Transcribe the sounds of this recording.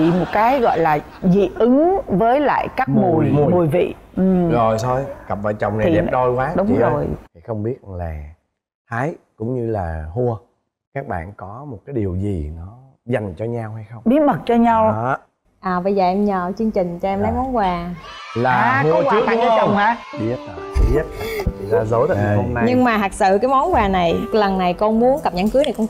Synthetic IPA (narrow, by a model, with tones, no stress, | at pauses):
ḭ˧˨mo˨˩t̚kaː˨˦jɣɔ̰˧˨jlaː˨˩ | zḭ˧˨ʔɨ˨˦ŋvəː˨˦jla̰ː˧˨jkaː˦˥k̚mu˨˩jm˨˩mu˨˩jvḭ˧˨ʔɨ˨˩zo˨˩jt̪ʰo˧jkə˨˩p̚və̰ː˧˩t͡ɕə˨˩wŋ͡mna˨˩ɗɛ˨ɗo˧jkwaː˨˦ɗʊ˨˦t͡ɕiŋ͡mzo˧˨˩jhxə˧wŋ͡mɓi˦˥ət̚laː˨˩ | haː˨˦jkʊ̰˧˥ŋ͡mɲɨ˧la̰ː˨˩hu˧ə | kaː˦˥k̚ɓa̰ː˧˨nkɔ˨˦mo˨˩t̚kaː˨˦jɗi˨˩əwzi˨˩nɔ˨˦ | za˨˩jŋ̟t͡ɕɔ˧ɲa˧wha˧jxə˧wŋ͡mɓi˨˦ət̚mə˨˩t̚t͡ɕɔ˧ɲa˧w | ʔəː˨˩və˧˩zəː˨˩ʔɛ˧mɲəː˨˩t͡ɕɨ˧ŋt͡ɕï˨˩ŋ̟t͡ɕɔ˧ʔɛ˧mla˨˦jmɔ˨˦nkwaː˨˩laː˨˩hu˧ə˧kwaɨ˦˨˥əkaː˨˦a˧t͡ɕə˧˩wŋ͡maː˨˦ɓi˦˥ət̚ːḭ˧˦e˦˥t̚a˨˩˨t͡ɕḭ˧˨zaː˧zo˨˦jt̪a̰˧˨˧ho˧mna˧˦ɲɨ˧ŋmaː˨˩ɦ̪a˨˩k̚sɨ̰˧˨ka˨˦jmɔ˨˦nkwaː˨˩na˨˩jlə˨˩nna˨˩jkɔ˧nmu˨˦ənka˨˩p̚ɲa˧˦ŋkɨ˨˦na˨˩jkɔ˧ŋ